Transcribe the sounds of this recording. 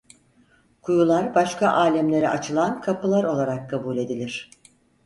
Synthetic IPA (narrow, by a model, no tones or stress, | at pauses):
kʰujulˠaɾbaʃkʰaʔaːlʲɛmlʲe̞ɾɛʔat͡ʃʰɯlˠankʰapɯlˠaɾo̞lˠaɾakʰːabuːlʲe̞d̪ilʲiɾ̥